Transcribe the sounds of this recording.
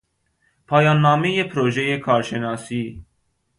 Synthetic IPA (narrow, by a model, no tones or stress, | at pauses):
pʰɑːjɑːnːɑːmijeːpʰɾoːʒejeːkʰɑːɾʃɛnɑːsi